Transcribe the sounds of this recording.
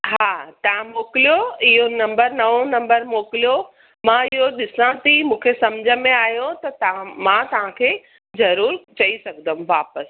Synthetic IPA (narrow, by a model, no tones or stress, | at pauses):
ɦaːt̪ɐʋ̤ãmoːkɪlijoɪɦonɐ̃mbəɾnɐʋõnɐ̃mbəɾmoːkɪlijo | mãɪɦoɗɪsãt̪ʰimũːkʰesɐmd͡ʑʱəmẽaːɦjot̪ɐt̪ɐ̃mãt̪ɐʋ̤ãkʰeː | zɐɾuːɾt͡ɕɐisɐɡʱd̪əũʋaːpəs